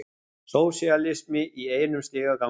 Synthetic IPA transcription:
soːwsialɪsmɪʔieːjnʏmst̪ɪːɣaðka

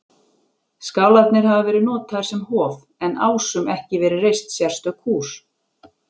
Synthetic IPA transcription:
skawlajt̪nɪɾ̥ɦavavɛːɾɪnɔːt̪ʰajɾ̥sɛmhɔːv | ɛnaːwsʏmɛhcɪvɛːɾɪrejst̪sjɛr̥st̪œkʰuːs

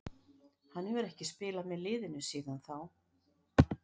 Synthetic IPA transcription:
hanːɛvʏɾɛhcɪspɪːlamɛðlɪːðɪnʏsiːðanθaw

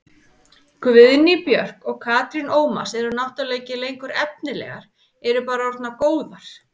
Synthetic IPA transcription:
kvɪðnipjœr̥kɔɣkʰaːt̪ɾinʔoːwma̰sɛɾʏnawht̪ʏleːjcɪlejŋkʏɾɛp̚nɪlɛ̰ːɣaɾ̥ | ɛɾʏpaːɾaɔɾt̪nakoːwðaɾ̥

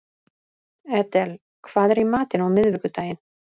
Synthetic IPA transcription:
ɛt̪ɛl | kʰvaːðɛɾimaːt̪ɪnawmɪðvɪkʏt̪aːjɪn

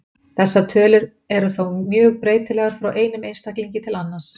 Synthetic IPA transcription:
θɛsːat̪ʰœːlʏɾ | ɛɾʏθowmjœːɣpɾeːjt̪ɪlɛɣaɾ̥fɾawʔeːjnʏmejnst̪akliɲcɪt̪ʰɪlanːas

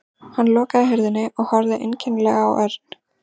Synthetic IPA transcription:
hanːlɔːkaðɪɦɛɾðɪnːɪʔɔɣhɔɾðɪʔḛjncʰɛŋklɛɣaːwʔɛɾt̪

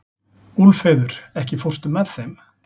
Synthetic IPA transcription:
ulfejðʏɾɛhcɪfɔr̥st̪ʏmːɛðθejm

